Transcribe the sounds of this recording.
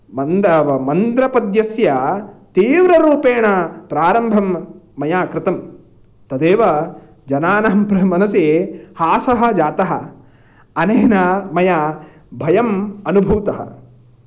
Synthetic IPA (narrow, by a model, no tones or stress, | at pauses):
mɐnd̪ɐɐmɐnd̪ɾɐpɐd̪jɐsjɐt̪iːʋɾɐɾuːpeːɳɐpɾaːɾɐmbʱɐmːɐjaːkɾɪt̪ɐm | t̪ɐd̪eːʋɐ | d͡ʒɐnaːnɐɐmpɾɐmɐnɐsehaːsɐɦɐ̆d͡ʒaːt̪ɐɦɐ̰ | ɐneːnɐmɐja | bʱɐjɐmɐnubʱuːt̪ɐɦɐ̰